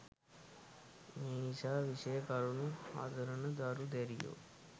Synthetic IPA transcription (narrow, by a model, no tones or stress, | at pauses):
eːiʃaːʋiʂɐjɐkaːɾunua̰ːd̪ʱɐɾɐɳɐd̪aːɾud̪eɾijo̰